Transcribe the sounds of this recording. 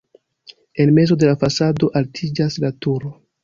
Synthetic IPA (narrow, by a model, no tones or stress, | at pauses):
e̞nme̞zo̞de̞lafasado̞ʔaltʰid͡ʒaslatuɾo